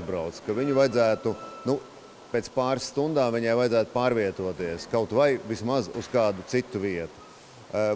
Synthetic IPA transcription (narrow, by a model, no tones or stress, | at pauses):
zbɾa̰wt̪skaviɲuvajd̪zæːt̪unu | pɛt̪spaːɾsːt̪und̪aːmviɲajvajd̪zæːt̪paːɾviɛt̪uɔt̪iɛskawt̪vajvismazuskɑːd̪usit̪ːuʋiɛt̪u̥